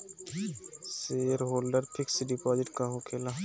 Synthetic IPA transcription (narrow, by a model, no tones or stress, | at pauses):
seːɾɦoːlɖəɾpʰɪksɖɪpɔːd͡ʒɪʈkaɦokʰeːla